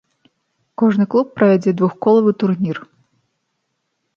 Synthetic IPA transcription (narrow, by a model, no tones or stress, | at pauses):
kɔʐnɨklˠupːɾɐvʲad͡zʲɛd̪vuxkɔlˠɐvɨt̪urnʲir